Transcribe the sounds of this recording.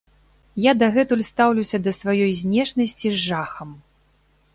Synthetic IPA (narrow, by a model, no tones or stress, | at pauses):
jad̪ɐɣɛt̪ulʲst̪awlʲuwsʲɐd̪ɐsvajɔjzʲnʲɛʂnɐsʲt͡sʲizːaxɐm